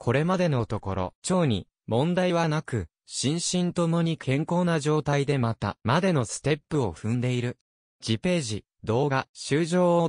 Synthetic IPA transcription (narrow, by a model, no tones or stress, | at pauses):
kʰo̞ɾe̞mad̪e̞no̞t̪o̞ko̞ɾo̞̰t͡ɕo̞ːɲ̟ḭ | mõ̞nd̪aiβanakɯ̟ | ɕĩɰ̃ɕĩnt̪o̞mo̞ɲ̟ikʰẽ̞ŋko̞ːnaʑo̞ːt̪aid̪e̞mat̪a̰mad̪e̞no̞sɨ̥t̪e̞pːɯ̟oɸɯ̟̃nd̪e̞iɾɯ̟ | d͡ʑipe̞ːʑi | d̪o̞ːɡaɕɨːʑo̞ːo